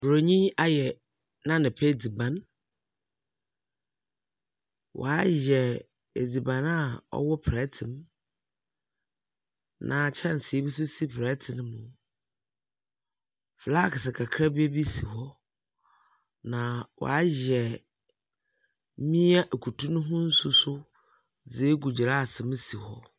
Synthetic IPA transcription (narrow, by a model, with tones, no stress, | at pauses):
bɾo˨ɲĩ˦a˦jɛ˨ | nã˦nɪ̃˨pʰe˦˨d͡zi˨bã˨n | wʔɔ̰˨a˦ʑɛ˨ | e˨d͡zi˨bã˨na˦˨ɔ̰˦wɔ˦pʰɾɛ˦tʰɪ̃˨m | nʔã˨t͡ɕʰɛ̃˦n˨si˨e˦bi˦s̬u˦si˦pʰɾɛ˦tʰɪ˨nɪ̃˦mʊ̃˨ | fla˦˨kʰɪ˨sa˨kʰa˨kʰɾa˦be˦bi˦si˨hɔ˦ | nã˨wʔɔ̰˨a˦ʑɛ˨˦ | mĩ˦a˦ʔe˨kʰu˨tʰũ˦nʊ̃˦ɦʊ̃˦n̩˦sʊ˦sʊ˦ | d͡ze˨e˦ɡu˨d͡ʑɪ˨ɾa˦a˨sɪ̃˨m˦si˨hɔ˦